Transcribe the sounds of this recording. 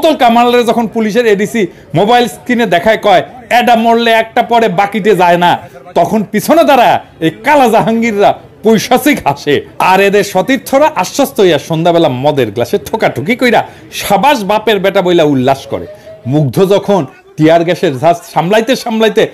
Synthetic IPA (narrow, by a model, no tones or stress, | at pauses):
t̪olkamaɾalaɾed͡ʑɔkʰonpuliʃ̬eɾeɖisi | mobajlskɾined̪ɛkʰaekɔeɛɖamoɽleɛk̚ʈapɔɾebakiʈ̬ed͡ʑaenat̪ɔkʰonpit͡ɕʰonod̪aɾaekalazaɦaŋɡiɾːa | pojʃasikaʃeaɾed̪eɾʃɔt̪iɾt̪ʰoɾaʔaʃːost̪oɦojaʃond̪abɛlamɔd̪eɾɡlaʃeʈʰokaʈʰukikojɾa | ʃabaʃbapeɾbɛʈabojlaulːaʃkɔ̰ɾḛmuɡ̚d̪ʱod͡ʑɔkʰon | t̪ijaɾɡɛʃeɾaʃamlajt̪eʃamlajt̪e